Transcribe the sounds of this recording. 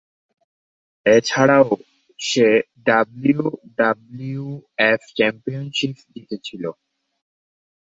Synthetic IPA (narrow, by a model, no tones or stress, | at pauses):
et͡ɕʰaɽao | ʃe | ɖabliuɖabliueft͡ɕɛmpijonʃip̚d̪it̪et͡ɕʰilo